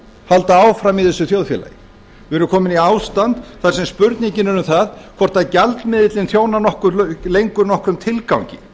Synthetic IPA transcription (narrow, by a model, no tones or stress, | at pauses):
halt̪aaːwfɾamiθɛsːʏθjowðfjɛ̰la̰j | vɛɾʏɾkʰɔːmɪniaːwst̪ant̪θaɾ̥sɛmspʏɾt̪niɲcɪnʏnʏmθaðkʰvɔr̥t̪aðcalt̪mɪðɪt̪lɪnθjoːwnanɔhkʏɾlejŋkʏɾnɔhkɾʏmt̪ʰɪlkawɲcɪ̰